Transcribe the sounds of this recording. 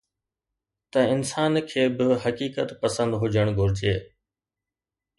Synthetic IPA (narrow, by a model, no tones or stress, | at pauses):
t̪ɐɪnsaːnkʰeːbɪɦɐkiːkət̪pɐsə̃nd̪ɦʊd͡ʑʱəɽ̃ɡʱʊɾɪd͡ʑeː